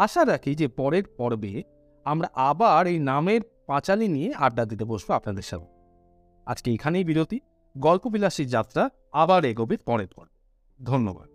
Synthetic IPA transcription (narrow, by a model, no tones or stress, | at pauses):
aʃaɾakʰid͡ʑepɔɾeɾpɔɾbe | amɾaʔabaɾejnameɾpãt͡ɕalinijeʔaɾd̪ad̪it̪epoʃboapnad̪eɾʃa̰be | a̰d͡ʑkeekʰanejbiɾot̪i | ɡɔlpobilaʃiɾd͡ʑat̪ːɾa | abaɾeɡobit̪pɔɾeɾpɔ̰ɾbe | d̪ʱonːo̰ba̰d̪̥̚